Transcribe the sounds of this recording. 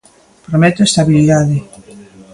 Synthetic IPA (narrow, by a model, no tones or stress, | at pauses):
pɾomɛt̪oest̪aβiliðaðɪ